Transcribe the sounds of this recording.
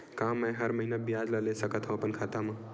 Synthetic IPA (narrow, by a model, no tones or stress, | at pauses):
kamːaj̃ɦəɾməɦinabijad͡ʒləlesəkət̪ʰɦõpənkʰat̪amã